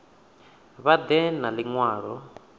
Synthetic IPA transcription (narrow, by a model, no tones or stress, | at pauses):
βad̪ɛnaliŋwaːɺɔ